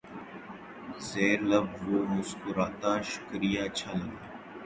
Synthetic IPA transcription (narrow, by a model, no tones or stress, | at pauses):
zeːɾləbʋoːmʊskʊɾaːt̪aːʃʊ̥kɾijaːəʃʰaːləɡ̪aː